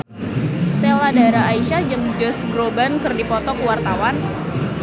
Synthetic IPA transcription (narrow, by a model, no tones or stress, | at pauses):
seladaɾaːiʃad͡ʒəŋd͡ʒɔsɡɾobankɨrdipɔt̪ɔkuwart̪awan